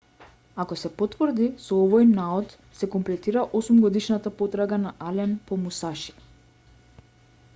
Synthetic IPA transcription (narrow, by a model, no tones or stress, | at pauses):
akɔsɛpɔt̪vrd̪isɔovojnaɔt̪ | sɛkɔmplɛt̪iɾaʔosumɡɔd̪iʃnat̪apɔt̪ɾaɡanaʔalɛnpɔmusaʃi̥